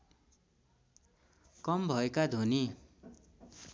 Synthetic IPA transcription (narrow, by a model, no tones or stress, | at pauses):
kʌmbʱʌekad̪ʱoni